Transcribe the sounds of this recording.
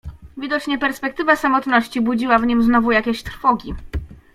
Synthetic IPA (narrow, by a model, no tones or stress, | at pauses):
vʲid̪ɔt͡ɕɲɛpɛɾspɛkt̪ɘvasamɔt̪nɔɕt͡ɕibud͡ʑiwavɲimznɔvujakʲeɕt̪ɾfɔɡʲi